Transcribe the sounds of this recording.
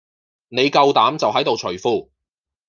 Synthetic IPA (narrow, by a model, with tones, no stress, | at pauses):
ne˨˧jkɐ˧wt̪aː˨˥mt͡sɐ˨wɦɐ˨˥jt̪o˨wt͡ʃʰɵ˨˩ɥfuː˧˩